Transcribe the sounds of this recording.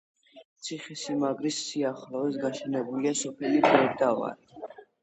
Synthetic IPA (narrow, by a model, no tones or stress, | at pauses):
t̪sʰiχisimaɡʼɾisːiaχlɔɛs̬ɡaʃɛnɛbuliasɔpʰɛlibɾɛɾd̪ava̰ɾi